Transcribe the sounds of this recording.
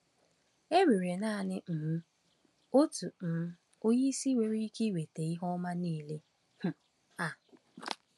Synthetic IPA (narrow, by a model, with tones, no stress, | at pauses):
e˦wi˨ɾe˨na˦˨nɪ˦n̩˨m̩˦ | o˦tu˨m̩˨m̩˦ | o˦ji˦si˦we˨ɾi˦i˦ki˦we˨te˨i˦ɦɔ˦ma˦niː˦˨le˦ | hʊ˨ | a˨